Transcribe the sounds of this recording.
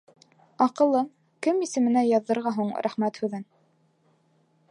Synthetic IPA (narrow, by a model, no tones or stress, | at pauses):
ɑqɤ̆lˠːɤm | kɘmisɘ̆mɘ̆næjɑðːɤ̆ɾʁɑɦuɴɾʔæχmæt̪hʉðɘn